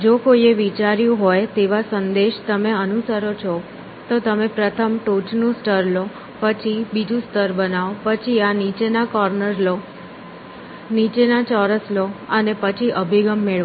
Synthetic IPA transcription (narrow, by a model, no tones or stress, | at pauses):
d͡ʒokoieʋit͡ʃaɾjũɦojt̪eʋasənd̪eʃt̪əmeənusəɾot͡ʃʰɔ | t̪ot̪əmẽpɾət̪ʰəmʈot͡ʃnũsʈəɾlo | pət͡ʃʰibid͡ʒũst̪əɾbənaʋpət͡ʃʰianit͡ʃenakɔɾnəɾlo | nit͡ʃenat͡ʃɔɾəsloənepət͡ʃʰiʔəbʱiɡəmːeɭ